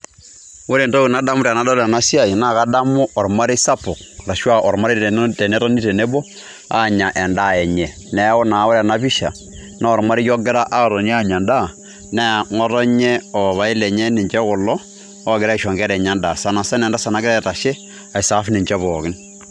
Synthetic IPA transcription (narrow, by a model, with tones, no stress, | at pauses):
o˦ɾe˨nto˦kɪ˨na˦da˦mʊ˦ɾa˨na˨˦da˦ɾa˨na˦si˦a˦˨i˨na˦˨ka˦da˦mʊ˦ɔ˨ɾma˦ɾe˦sa˦pʊ˨k̚ | ɾa˨ʃwa˦ʔɔ˨ɾma˦ɾtɛ˨nɛ˦ɾɔ˦ni˦tɛ˨nɛ˦bɔ˦ | a̰˦˨ɲa˨ʔɛ˨nda˦˨ɛ˨ɲɛ˨ | nɛ˨˦o˦na˨o˦ɾa˨na˦βi˦ʃa˨ | na˦ɔ˨ɾma˦ɾi˦jɔ˦ɡɪ˦ɾa˦ʔa˦˨ɾɔ˨ni˦a˦ɲa˨nda˦ | nɛ˦˨ŋɔ˦tɔ˦ɲɛ˦ɔ˨βa˨i˦lɛ˨ɲɛ˦nɪ˨ɲd͡ʒɛ˦kʊ˨lɔ˦ | ɔ˦ɡɪ˨ɾa˦i˨ʃɔ˨ŋɡɛ˦ɾɛ˨ɲa˦nda˨sa˨na˨sɛ˦nɛ˨nda˦sa˨na˦kɪ˦ɾa˦ɛ˦˨ta˨ʃe˦ | a˨i˨sa˨˦fnɪ˨ɲd͡ʒɛ˦βɔ˨kɪ˦n